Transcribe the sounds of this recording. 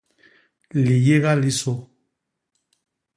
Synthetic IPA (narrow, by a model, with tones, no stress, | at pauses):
li˨je˦ɣa˦li˦so˦